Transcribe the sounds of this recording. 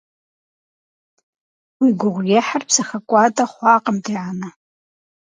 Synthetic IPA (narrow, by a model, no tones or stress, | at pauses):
wiɡʷʊʁʷɡʲeħarpʰsaxakʷʼatʼaχʷaːqʼəmtʰʼiʕana